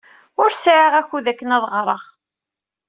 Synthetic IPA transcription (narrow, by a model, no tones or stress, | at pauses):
ʊɾsʕiʁæçuðækːənæðˤʁɾˤəʁ